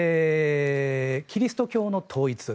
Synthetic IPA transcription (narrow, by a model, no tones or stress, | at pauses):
kʲʰiɾʲisɨ̥t̪o̞kʲo̞ːno̞t̪ʰo̞ːit͡sɨ